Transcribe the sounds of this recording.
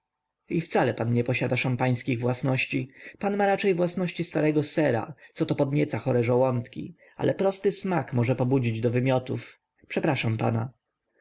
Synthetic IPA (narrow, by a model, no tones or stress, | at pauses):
ift̪salɛpanɲɛpɔɕad̪aʂampaj̃skʲiɣvwasnɔɕt͡ɕipanmaɾat͡ʂɛjvwasnɔɕt͡ɕist̪aɾɛɡɔsɛɾa̰t̪sɔt̪ɔpɔd̪ɲɛt̪saxɔɾɛʐɔwɔnt̪kʲḭ | a̰lʔɛpɾɔst̪ɘsmakmɔʐɛpɔbud͡ʑid͡ʑd̪ɔvɘmʲjɔt̪uf | pʂɛpɾaʂampa̰na